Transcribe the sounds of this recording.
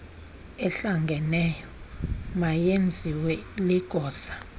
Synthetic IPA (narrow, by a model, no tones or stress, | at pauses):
ɛɬaŋɡʱɛnɛjɔmajend͡zʱiwɛliɡ̥ʱɔːsḁ